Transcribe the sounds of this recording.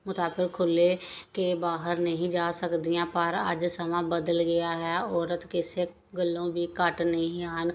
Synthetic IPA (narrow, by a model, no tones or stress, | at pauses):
mʊt̪aːbɪkkʰːʊlekebaːɦəɾnəɦĩd͡ʒaːsəkd̪ijãːpəɾə̰d͡ʒsəmãːbəd̪əlɡəjaːɦɛɔːɾət̪kese | ɡəlːõːbʱiːkəʈnəɦĩaːn